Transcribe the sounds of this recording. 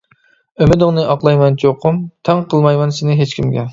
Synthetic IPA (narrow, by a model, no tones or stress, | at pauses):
ømɪd̪ɪŋnɨʔɑqlˠɑjmɛnt͡ʃʰoqʰʊmt̪ʰɛŋqʰəlˠmɑjmɛnsɪnɪɦet͡ʃkʲʰimɡʲɛ